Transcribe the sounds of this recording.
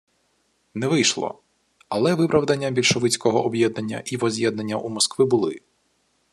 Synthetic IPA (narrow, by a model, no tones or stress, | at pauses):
nɛʋɪjʃlˠɔ̰ | ɐlˠɛʋɪpɾɐwd̪ɐnʲːɐbʲilʲʃɔʋɪt͡sʲkɔɦɔʔːbjɛd̪̚nɐnʲːɐ̰ʔiʋɔzʲjɛd̪nɐnʲːɐʔumɔskʋɪbʊlˠɪ̰